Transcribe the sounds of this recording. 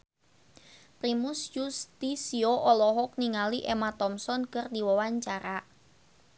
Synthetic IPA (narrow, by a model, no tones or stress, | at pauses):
pɾimʊsd͡ʒust̪isioʔɔlɔɦɔk̚niŋaliʔemat̪ɔmsɔnkərdiwɔwaɲt͡ʃaɾa